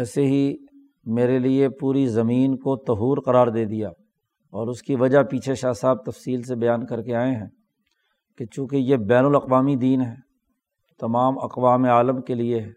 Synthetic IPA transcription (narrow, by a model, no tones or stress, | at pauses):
ɛːseɦi | meːɾeliepuːɾizɐmiːnkot̪ɐɦuːɾqɐɾaːɾd̪eːd̪ijaː | ɔːɾʊskiʋɐd͡ʒapiːt͡ʃʰeʃaːsaːb̚t̪ɐfsiːlsebɐjaːnkɐɾkeaːẽɦɛ̃ː | ket͡ʃũːkejebɛːnəlɐqʋaːmid̪iːnɦɛː | t̪ɐmaːmɐ̰qʋaːmeaːləmkelieɦɛː